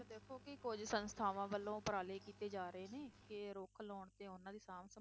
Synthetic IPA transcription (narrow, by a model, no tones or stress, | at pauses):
od̪eːkʰoːkɪkʊd͡ʒsənst̪ʰaːʋãːʋəlːõːpɾaːleːkiːt̪eːd͡ʒaːɾəeːneːkɪɾoːkʰlɔːɳt̪eːʊnãːd̪iːsaːmsə